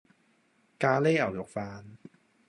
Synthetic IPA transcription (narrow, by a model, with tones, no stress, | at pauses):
kaː˧le˥ɐ˨˩wjʊ˨˩k̚faː˧n